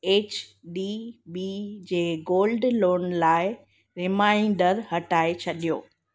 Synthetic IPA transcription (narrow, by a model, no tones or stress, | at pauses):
eːt͡ɕbibid͡ʑeːɡoːlɖloːnlaːɪ | ɾɪmãːɪ̃ɳɖəɾhɐʈaːet͡ɕʰɐɗijo̰ː